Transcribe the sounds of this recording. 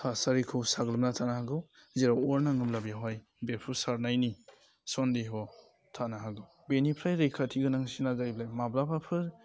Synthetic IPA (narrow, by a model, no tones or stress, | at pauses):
hasaɾikʰɯwsaɡlɯmnatʰanaɦaɡɯwzeɾawɔɾnaŋɯmlabijaɦaj | beɾpʰuɾsaɾnajni | sɔndiɦɔ | tʰanaɦaɡɯw | benipʰɾajɾejkʰatʰiɡɯnaŋsinazajblajmablapʰapʰɯɾ